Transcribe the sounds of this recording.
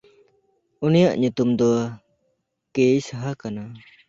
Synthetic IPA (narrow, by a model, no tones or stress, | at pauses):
unijaʔɲut̪umd̪ɔa | kejsaɦakana